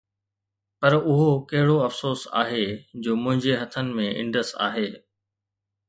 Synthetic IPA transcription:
pɐɾʊɦokɐɦɪɽoɐfsoːsa̰ːɦed͡ʑoːmʊ̃ɦɪ̃ɲd͡ʑeɦɐt̪ʰənɪ̆mẽɪ̰̃ɳɖəsa̰ːɦeː

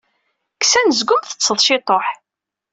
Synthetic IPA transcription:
ksænəzɡʷʊmθə̥t͡sːəðˤʃɪt̪ˤoħ

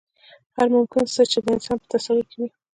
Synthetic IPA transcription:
haɾmʊmkɪnst̪ət͡ʃed̪əɪnsɑnpə̥t̪asalʊkewi

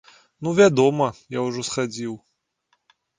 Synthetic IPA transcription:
nuvʲad̪ɔmɐjawuʐɔsxad͡zʲiw

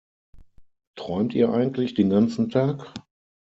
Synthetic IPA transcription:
tʁ̥ɔʏmtiːɐʔaɪɡŋ̩tʰlɪçd̥eːnɡant͡sn̩tʰaːk

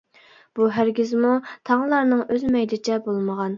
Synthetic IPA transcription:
b̥uɦæɾɡʲizmut̪ʰɑŋlˠɑɾnɨŋøzmɛjd̪ɪt͡ʃʰɛbolˠməʁɑn

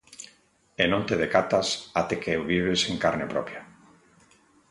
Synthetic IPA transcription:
enõnt̪eðekat̪asat̪ekeewβiβ̞eseŋkaɾnepɾɔpja

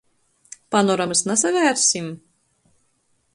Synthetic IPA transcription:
panɔɾamsnasavʲæːɾsʲim

